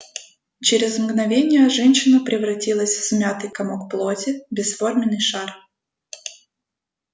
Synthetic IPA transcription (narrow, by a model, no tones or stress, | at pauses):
t͡ɕeɾʲɪzmɡnɐvʲenʲɪjəʐɛnʲɕɪnəpɾʲɪvɾɐtʲilˠəsʲvsmʲat̪ɨjkɐmokplˠotʲɪbʲɪsformʲɪnːɨjʂar